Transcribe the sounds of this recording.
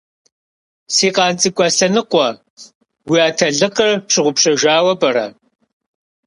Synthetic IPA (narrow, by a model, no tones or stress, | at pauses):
siːqɑːnt͡sʼikʷʼaːsɐnɨqʷɔ | wiaːtʰɐɮɨqɐrpʂɨʁʷʊpʂɐʒaːwɐbɐɾɐ̰